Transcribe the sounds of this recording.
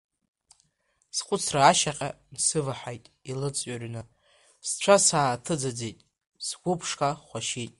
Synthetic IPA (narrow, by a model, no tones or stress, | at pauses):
sqʷʼʊt͡sʰraːʃaqʲʼa̰ | nsɨvaħʷajtʼilɨt͡sʼɥarnɨ | st͡ʃʷʰasaːtʰɨd͡zad͡zejtʼ | sɡʷʊpʰʂkʼaχʷaʃijtʼ